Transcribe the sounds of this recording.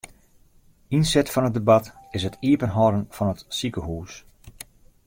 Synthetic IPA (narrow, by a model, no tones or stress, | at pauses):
insɛtfɔnɦədebɑtɪsətʰiəpənɦɔɾənfɔnətsikəɦuːs